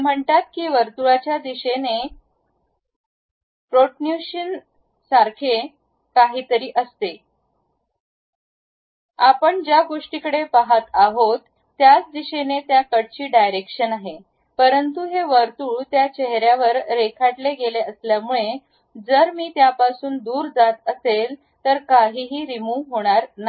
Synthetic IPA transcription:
m̤əɳt̪at̪̚kiːʋəɾt̪uɭat͡ɕjad̪iɕene | pɾoʈnjuɕən | saɾkʰe | kaɦiːt̪əɾiːʔəst̪e | apəɳd͡ʑjaɡoʂʈiːkəɽepaɦat̪aɦot̪ː | jat͡sd̪iɕenet̪jakəɽt͡ɕiːɖajɾekʂənaɦe | pəɾənt̪uɦeʋəɾt̪uːɭt̪jat͡ɕeɦɾjaʋəɾːekʰaʈleɡeleəsljamuɭe | d͡zəɾmiːt̪japasuːnd̪uːɾd͡zat̪əsel | t̪əɾkaɦiːɦiːɾimuɦoɽ̃aɾna

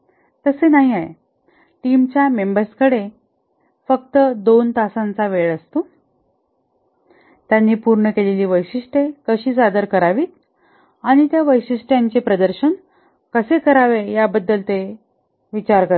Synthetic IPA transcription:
t̪əsenaɦiaḛ | ʈimt͡ɕjamembəɾskəɽe | fək̚t̪əd̪ont̪asãnt͡saʋeɭəst̪o | t̪janːiːpuɾɳəkeleliːʋəjɕiʂʈekəɕiːt͡sad̪əɾkəɾaʋiːt̪̚ | aɽ̃it̪jaʋəjɕiʂʈjaɲt͡ɕepɾəd̪əɾɕən | kəsekəɾaʋejabəd̪ːəlt̪e | ʋit͡ɕaɾkəɾ

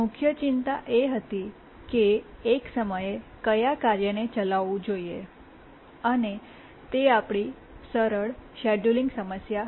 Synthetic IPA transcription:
ʊkʰjət͡ʃint̪a̰ʔeɦət̪i | keːksəməjekəjakaɾjənet͡ʃəlaʋũd͡ʒoie | əne | t̪eapɽ̃i | səɾəɭʃɛɖuliŋɡsəməsja

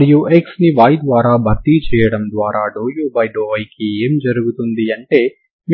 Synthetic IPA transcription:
juːʔeksniʋaːjd̪ʋaːɾaːbʱɐkt̪it͡ʃɛːjɐɽɐmd̪ʋaːɾaːɖoːjoːbɐjɖoːʋɐjkieːmd͡ʒɐɾuɡut̪und̪iɐɳʈe̞ː | m

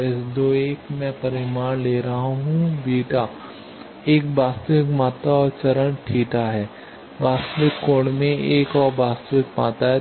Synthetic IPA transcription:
ɪsd̪oːeːkmɛ̃pɐɾɪmaːnleːɾɐɦaɦũbiːʈa | eːk̚baːst̪əʋɪkmaːt̪aɔːɾt͡ʃɐɾənʈʰiːʈaɦɛː | baːst̪ʋɪkːoːɽmẽeːkɔːɾbaːst̪əʋɪkma̰ːt̪aɦɛ

